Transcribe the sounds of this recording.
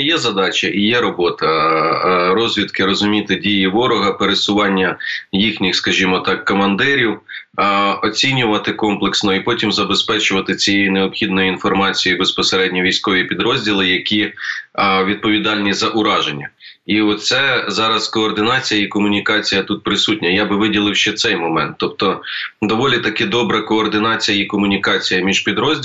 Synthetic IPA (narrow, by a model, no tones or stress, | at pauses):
jɛzɐd̪ɑt͡ʃʲɐʔijɛɾɔbɔt̪ɐ | ɾɔzʲʋʲid̪kɪɾɔzʊmʲit̪ɪdʲijiʋɔɾɔɦɐpeɾesʊʋɑnʲːɐjixnʲɪxskɐʒʲimɔt̪ɑkːɔmɐnd̪ɪɾʲiw | ɔt͡sʲinʲʊʋɐt̪ɪkɔmplˠeksnɔipɔtʲimzɐbespɛt͡ʃʊʋɐt̪ɪt͡sʲijejineɔpxʲid̪nɔjiinfɔrmɑt͡sʲijibespɔseɾɛdʲnʲiʋʲijsʲkɔʋʲipʲid̪ɾɔzʲdʲilˠɪjɐkʲi | ʋʲid̪̚pɔʋʲid̪ɑlʲnʲizɐʔʊɾɑʒenʲːɐ | iɔt̪sɛzɑɾɐskɔːrd̪ɪnɑt͡sʲijɐikɔmʊnʲikɑt͡sʲijɐt̪ut̪̚pɾɪsutʲnʲɐjabɪʋɪdʲilˠɪwʃt͡ʃɛt̪sɛjmɔmɛ̰nt̪ːɔp̚t̪ɔd̪ɔʋɔlʲit̪ɐkɛd̪ɔbɾɐkɔːrd̪ɪnɑt͡sʲijɐikɔmʊnʲikɑt͡sʲijɐmʲiʒ̥pʲid̪ɾɔzʲ